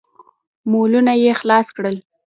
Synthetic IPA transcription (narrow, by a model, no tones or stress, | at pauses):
molunajexlɑskɽəl